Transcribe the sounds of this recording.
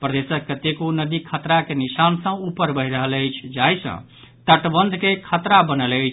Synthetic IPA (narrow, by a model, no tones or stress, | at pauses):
pɾəd̪esəkːət̪ːekonəd̪ikʰət̪ɾakenisansə̃upəɾbʱəiɾəɦələjt͡ʃʰd͡ʒajsʰʌ̰̃ | t̪əʈbənd̪ʱkekʰət̪ɾabənələjt͡ʃʰ